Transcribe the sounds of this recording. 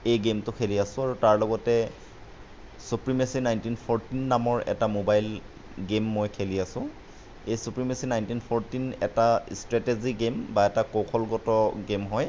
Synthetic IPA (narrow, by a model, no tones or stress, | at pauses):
ejɡemtʊkʰeliasʊ̃aɹutaɹlɔɡɔtɛ | supɹimesinajntinpʰɔɹtinːamɔɹɛ̰tamobajl | ɡemːojkʰeliasʊ̃ | ejsupɹimesinajntinpʰɔɹtinɛ̰tastɹɛteziɡembaɛtakokʰɔlɡɔtɔɡemɦɔj